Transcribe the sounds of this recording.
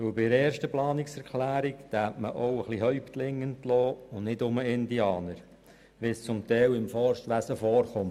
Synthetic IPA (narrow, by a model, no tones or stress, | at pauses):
ʋɵlbɪəɾɛːɾʃtəplɑːnɪksɛɾkʰlæːɾikt̪æːtməʔowəχliɦœʏpt̪lɪŋːəntloːʊnnɪtʊməɪndiɑːnəɾ | ʋɪst͡sʊmt̪ɛːwɪmfɔɾʃtʋæsəfɔːɾχʊm